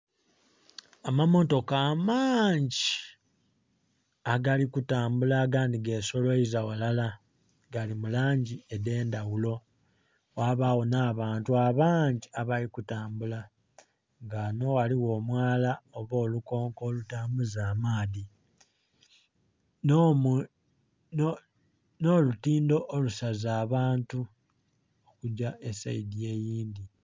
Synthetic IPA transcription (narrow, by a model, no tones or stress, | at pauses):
amamo̞to̞kaːmaːɲɟi | aɡalikutaːmbulaɡaːndiɡe̞ːso̞lwoizawalala | ɡalimulaːɲɟiede̞ːndawulo̞ | waβawonaːβaːntuaβaːɲɟiaβalikutaːmbula | ŋɡano̞waliwo̞ːmwaːlaoβo̞ːluko̞ːŋko̞ːlutaːmuzaːmaːði | no̞lutiːndo̞ʔːlusazaːβaːntu | okuɟaʔe̞saidie̞ːjiːnd̪i